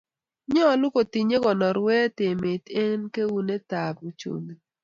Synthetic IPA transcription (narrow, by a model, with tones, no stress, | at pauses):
ɲɔ˦˨lʊ˦ko˨ti˨ɲe˦ɡɔ˨nɔ˨ɾwɛ˦te˨me˨te˦nke˦wu˦ne˦ta˨bu˨t͡ʃṵ˨nd